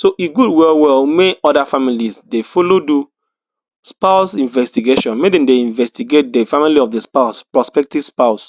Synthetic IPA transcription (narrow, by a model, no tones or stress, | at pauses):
soʔiɡudwɛlwɛlmeɔdafamilisdefolodu | spaʊsĩnvɛstiɡeʃɔ̃nmedɛ̃mdeĩnvɛstiɡet̚defamiliɔfdespaʊspɹɔspɛk̚tiv̥spaʊs